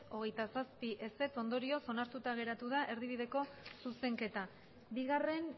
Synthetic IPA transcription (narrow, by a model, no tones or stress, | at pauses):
o̞ɣ̞e̞jt̪asaspiʔe̞se̞t͡so̞nd̪o̞ɾio̞so̞naɾt̪ut̪aɣ̞e̞ɾat̪uðaʔe̞ɾðiβ̞iðe̞ko̞suse̞ŋke̞t̪a | biɣ̞are̞n